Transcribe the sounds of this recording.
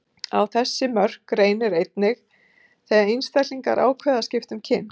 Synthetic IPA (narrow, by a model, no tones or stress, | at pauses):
a̰wθɛsːɪmœr̥kɾeːjnɪɾejt̪nɪx | θɛːɣainst̪ajk̪liŋka̰ɾʔa̰ːwkʰvɛːðascɪft̪ʏmcʰɪn